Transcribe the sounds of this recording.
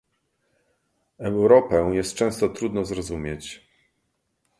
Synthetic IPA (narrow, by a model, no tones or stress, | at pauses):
ɛwɾɔpɛjɛst̪̚t͡ʂɛ̃w̃st̪ɔt̪ɾud̪nɔzɾɔzumʲjɛt͡ɕ